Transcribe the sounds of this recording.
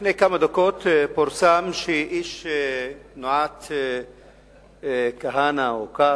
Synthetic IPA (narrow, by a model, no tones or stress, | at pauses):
nekamad̪okoːt̪poɾsamʃiʔiʃ | noʕat̪ | kaɦaːnaoka